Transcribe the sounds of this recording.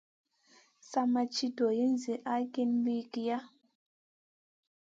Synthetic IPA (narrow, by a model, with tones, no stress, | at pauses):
sa˦ma˨t͡ʃi˦do˨ji˦n˦zi˨ʔa˦ke˦nbi˦ki˨ja˦